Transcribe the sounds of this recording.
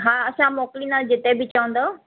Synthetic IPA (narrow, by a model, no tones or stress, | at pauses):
ɦaːɐsãmoːkɪlinaːld͡ʑɪt̪ebɪt͡ɕɐʋə̃n̆d̪oː